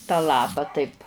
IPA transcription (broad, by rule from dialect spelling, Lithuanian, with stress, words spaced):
tɑː ˈlˠɑːpɐ tɐɪp